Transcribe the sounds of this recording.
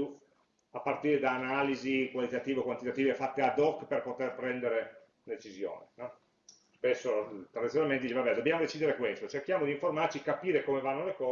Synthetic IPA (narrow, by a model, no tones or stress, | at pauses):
u | apːart̪iːɾed̪aːnaːlizikwalit̪at̪iːveokwant̪it̪at̪iːvefat̪ːead̪ɔkːperpot̪erpɾɛnd̪eɾe | d̪et͡ʃizjo̰ːnenɔ | spesːot̪ɾad̪it̪jonalment̪ed̪it͡ʃebabɛd̪objamod̪et͡ʃid̪eɾekwest̪ot͡ʃerkjaːmod̪iɱformart͡ʃikapiːɾekomevanːolekɔː